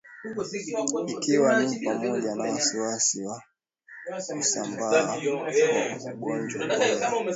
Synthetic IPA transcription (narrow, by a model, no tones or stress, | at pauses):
ikʰiwanipamɔʄanawasiwasiwa | usamba | wauɡɔnd͡ʒwa